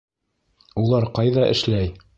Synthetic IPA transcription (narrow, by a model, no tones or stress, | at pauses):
ulˠɑɾqɑjðɑʔɘ̰̆ʃlæj